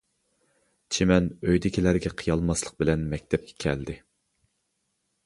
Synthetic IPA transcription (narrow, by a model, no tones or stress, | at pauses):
t͡ʃʰemɛnøjd̪ɪkʲilæɾɡʲɛqʰɨjɑlˠmɑslˠə̥q̚bɪlɛnmɛkʲt̪ʰɛp̚kʲʰɛ̥kʲʰɛ̰ld̪ɪ